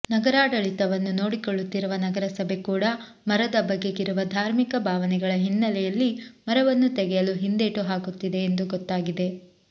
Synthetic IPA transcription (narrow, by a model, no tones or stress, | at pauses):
nɐɡɐɾaːɽɐɭit̪ɐʋɐnːuno̞ːɽikoɭːut̪ːiɾuʋɐnɐɡɐɾɐsɐbʱe̞kuːɽɐ | mɐɾɐd̪ɐbɐɡːe̞ɡiɾuʋɐd̪ʱaːɾmikɐbʱaːʋɐnɛɡɐɭɐɦinːɐlɛjɐlːimɐɾɐʋɐnːut̪ɛɡɛjɐluɦind̪e̞ːʈuɦaːɡut̪ːid̪e̞ːnd̪uɡɔt̪ːaːɡid̪e̞